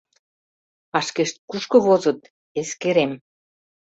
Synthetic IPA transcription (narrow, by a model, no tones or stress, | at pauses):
pɑʃkeʃt̪̚kuʃkɤ̆βozə̆t̪ | eskeɾem